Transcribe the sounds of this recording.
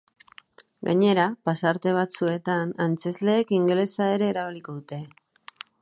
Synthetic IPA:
ɡa̰ɲe̞ɾapasaɾt̪e̞β̞at͡sue̞t̪anant͡sezle̞ːkiŋɡlesae̞ɾe̞ːɾaβ̞iliko̞ðut̪e̞

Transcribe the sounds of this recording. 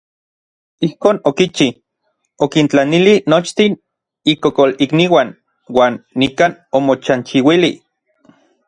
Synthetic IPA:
ihkoːnokit͡ʃi | okint͡ɬanilinot͡ʃt̪in | ikokolikniwan | waːnːikaːnomot͡ʃant͡ʃiwili

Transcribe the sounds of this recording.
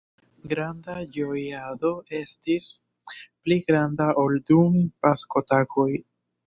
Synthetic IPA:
ɡɾandad͡ʒo̞jado̞e̞stis | pliɡɾandaʔoldumipasko̞tako̞j

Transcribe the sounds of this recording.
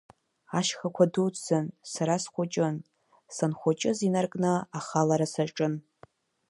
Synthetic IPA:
aʃχakʷʰadut͡sʼːɨnsaɾasχʷʊt͡ʃʼɪn | sanχʷʊt͡ʃʼɪzinarkʼnɨaχalaɾasaʈ͡ʂʼɨn

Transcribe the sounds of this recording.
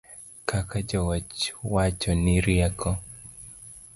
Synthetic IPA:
kʰakad͡ʒɔwat͡ʃwat͡ʃɔniɾiakʰɔ

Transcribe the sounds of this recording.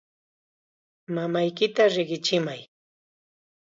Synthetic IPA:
mamajkɪt̪aɾɪɢɪt͡ʃɪmaj

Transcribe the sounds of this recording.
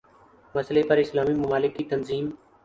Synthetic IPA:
məsleːpəɾɪslaːmiːmʊmaːlɪkːiːt̪ənziːm

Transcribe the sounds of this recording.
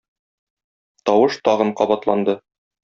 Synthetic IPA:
t̪ɒwɤʃt̪ɒʁɤɴqɒbɑt̪lˠɑnd̪ɤ

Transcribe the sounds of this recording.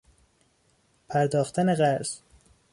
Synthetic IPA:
pʰæɾd̪ɒːxt̪ʰæneɣæɾz̥

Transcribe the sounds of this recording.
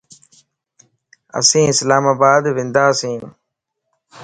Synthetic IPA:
ə̰sĩːɪslaːmaːbaːd̪ʋɪ̃nd̪aːsĩː

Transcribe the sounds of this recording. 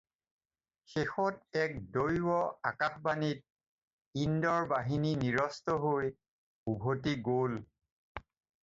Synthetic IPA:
xexɔtɛk̚dojwɔa̰kaxbanit̚ | indɔɹbaɦininiɹɔstɔɦoj | ubʱotiɡol

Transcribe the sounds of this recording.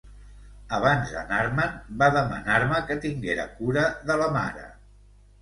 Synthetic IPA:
əβ̞anzə̰naɾmənbaðəmə̰naɾməkət̪iŋɡeɾə̰kuɾəðələma̰ɾə̰

